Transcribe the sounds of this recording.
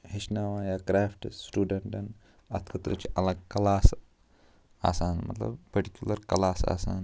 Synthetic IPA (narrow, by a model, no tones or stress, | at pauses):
hiʃnaʋajaːkɾaːfʈsʈuːɖɐɳʈɐn | ɐt̪ʰkʰɐt̪ɾɐt͡ʃiʔɐlɐɡkɐlaːs | a̰ːsaːnmɐ̰t̪lɐ̰bpɐɾʈikʲjulɐɾkɐlaːsa̰ːsaːn